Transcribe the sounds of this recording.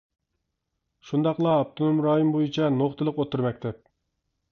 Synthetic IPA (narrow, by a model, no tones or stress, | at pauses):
ʃund̪ɑqlˠɑːp̚t̪ʰonomɾɑːɦimbojit͡ʃʰɛnoχt̪ʰɨlˠəqot̪uɾmɛk̚ʲt̪ʰɛp̚